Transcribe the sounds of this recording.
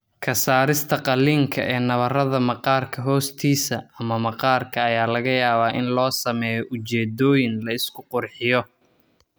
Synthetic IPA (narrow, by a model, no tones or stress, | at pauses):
kʰɐsaːɾɪst̪ʰɐqɑlːiːŋkʰɐ̰ʔɛːnɐβɐrɐðɐmɐqɑːrkʰɐɦɔːst̪ʰiːsɐɐmɐmɐqɑːrkʰɐːjaːlɐɣɐjaːβaːʔɪnlɔːsɐmɛːjɔʔʊt͡ʃɛːd̪ɔːjɪnlɐɪskʰʊqʊrħɪjɔ